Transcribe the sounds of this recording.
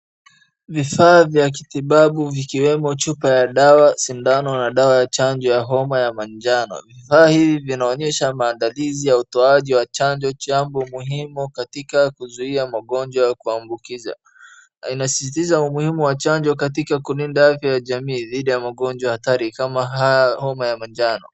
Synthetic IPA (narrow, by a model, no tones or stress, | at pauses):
vifaːvjak̬iθiɓaɓuvikiwɛmɔt͡ʃupajaɗawasindanɔnaɗawajat͡ʃaɲd͡ʒɔjaɦɔmajamand͡ʒanɔ̰vifaːhivivinaɔɲɛʃamaːndalizijautɔaʄiwat͡ʃand͡ʒɔt͡ʃambɔmuhimukatikakuzuiamaɠɔnd͡ʒwakuambukiza̰ | inasi̥sitizaumuhimuwat͡ʃaɲd͡ʒɔkatikakulindaafjajaʄamiːðiɗijamaɠɔnd͡ʒwahataɾikamaɦajahɔmajamand͡ʒanɔ